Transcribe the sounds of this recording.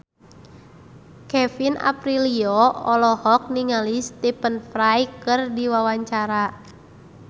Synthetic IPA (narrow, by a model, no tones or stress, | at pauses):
kɛfina̰pɾiliɔɔlɔhɔk̚niŋalist̪ipənfɾajkɨrdiwawaɲt͡ʃaɾa